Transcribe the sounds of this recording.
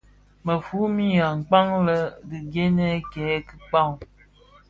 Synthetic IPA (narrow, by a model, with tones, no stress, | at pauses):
mə˨fu˨˦mi˦ja˨ŋ̩˨k͡pa˦ŋlə˦di˨ɡe˦nɛ˦kɛ˨˦kə˦k͡pa˦˨ŋ˨